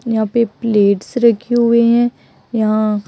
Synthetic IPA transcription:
jɐɦãpepleːʈsɾɐkʰeɦʊeɦɛ̃ | jɐɦã

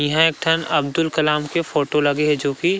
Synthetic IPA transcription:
jɐɦãeːk̚ʈʰɐnɐb̚d̪ʊlkɐlaːmkefoːʈolɐɡeɦɛd͡ʒoːki

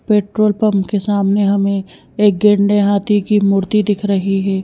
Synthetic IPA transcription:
peːʈɾoːlpɐmpkesaːmneɦɐmẽ | eːk̚ɡẽɳɖeɦaːt̪ikimʊɾt̪id̪ɪkʰɾɐɦiɦɛː

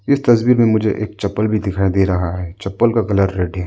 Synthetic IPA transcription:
ɪst̪ɐswiːɾmẽmʊd͡ʒʱḛʔeːk̚t͡ʃɐpːəlbʱid̪ɪkʰaːjd̪eɾɐɦaɦɛːt͡ʃɐpːəlkakɐləɾːeːɖẽ

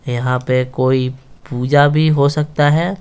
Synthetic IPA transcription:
jɐɦãpekoːipuːd͡ʒabʱiɦosɐk̚t̪aɦɛː

